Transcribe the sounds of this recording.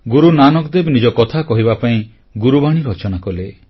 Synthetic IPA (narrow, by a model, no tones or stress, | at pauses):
ɡuɾunanɔkd̪ebnid͡ʒɔkɔt̪ʰakɔɦiβapaĩ | ɡuɾubaɽ̃iɾɔt͡ʃɔnakɔle